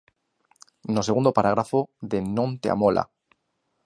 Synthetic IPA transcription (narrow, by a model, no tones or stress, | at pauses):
nos̬eɣund̪opaɾaɣɾafoðenõnt̪ea̰molʔa̰